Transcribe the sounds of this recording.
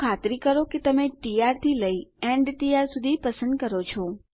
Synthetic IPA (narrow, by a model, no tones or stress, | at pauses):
kʰat̪ɾikəɾoket̪əmeʈiaɾt̪ʰiləieɳɖʈiaɾsud̪ʱipəsə̃nd̪̚kəɾot͡ʃʰɔ